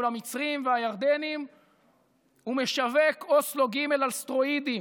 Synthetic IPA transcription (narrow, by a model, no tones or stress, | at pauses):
lamit͡sʁimveajaʁd̪enim | ume̞ʃaveko̞slo̞ɡime̞lalst̪ʁoid̪i